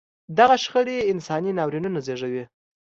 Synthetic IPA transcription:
d̪aɣaʃxəɽeɪnsɑninɑwɾinunazeʐawi

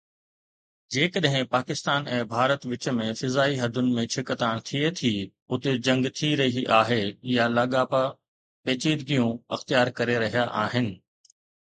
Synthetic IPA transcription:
d͡ʑeːkəɗɦɪ̃paːkɪst̪aːnɛ̃ːbʱaːɾət̪ʋɪt͡ɕəmẽfɪzaːiɦɐd̪ʱʊnɪ̆mẽt͡ʃʰɪkət̪ãːɽ̃t̪ʰiet̪ʰi | ʊt̪ed͡ʑɐ̃ŋɡt̪ʰiɾɐɦiʔaːɦejalaːɠaːpa | peːt͡ɕiːd̪ɡijũɐxt̪ijaːɾkɐɾeɾɐɦijaʔaːɦɪnɪ̆

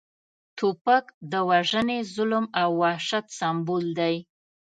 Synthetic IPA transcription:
t̪opakd̪əwaʒənezʊlmawːɑʃat̪sambuld̪aj

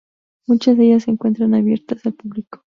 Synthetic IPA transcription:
mut͡ʃazðe̞ʝasːeŋkwe̞nt̪ɾanaβje̞ɾt̪asalpuβliko̥

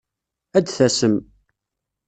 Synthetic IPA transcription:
æd̪θæsəm

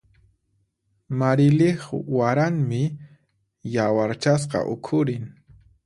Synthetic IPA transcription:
maɾɪlɪχwaɾaŋmɪ | jawaɾt͡ʃas̬qɑ̰ʔʊ̰kʰʊɾɪŋ

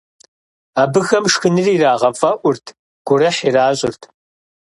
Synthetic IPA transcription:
aːbɨxɐmʂxɨnɨriːraːʁɐfʼɐʔʷʊrtʰ | ɡ̥ʷʊɾɐħiraːɕʼɪrtʰ

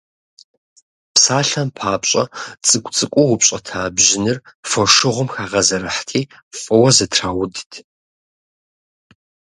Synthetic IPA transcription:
psaːɬɐmpʰaːpɕʼɐ̰t͡sʼɨkʷʼt͡sʼɨkʷʼʊwʊpɕʼɐtʰaːbʑɪnɨrfɔʂɨʁʷʊmxaːʁɐzɐɾɨħtʰiː | fʼɨwɐzɨtʰraːwʊdtʰ

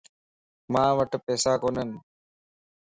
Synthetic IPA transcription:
mãːʋəʈpɛːsaːkoːnən

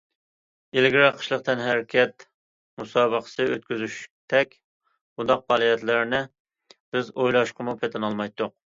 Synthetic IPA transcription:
elɪɡʲɾɑqʰə̥ʃlˠəq̚t̪ʰɛnɦæɾkʲʰɛt̪ | musɑːbəqʰə̥sɨøt̪̚kʲyzyʃt̪ʰɛkʲ | b̥und̪ɑq̚bɑːlˠijɛt̪lɪɾnɪ | b̥ɪzojlˠɑʃqʰəmupʰet̪ʰɪnɑlˠmɑjt̪ːʊq̚

